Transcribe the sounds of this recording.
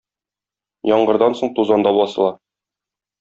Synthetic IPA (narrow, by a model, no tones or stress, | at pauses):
jɒɴɢɤ̆ɾd̪ɑnsoɴt̪uzɑnd̪ɑbɒsɤ̆lˠɑ